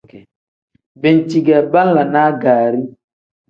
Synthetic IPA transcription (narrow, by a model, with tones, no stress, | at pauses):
bɛ˨n˨ti˨ɡɛ˨ba˦n˦la˨naː˦ɡaː˨ɾi˦